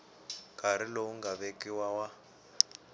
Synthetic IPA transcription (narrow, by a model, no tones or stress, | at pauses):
kaɾ̤ilouŋɡaβekiwawa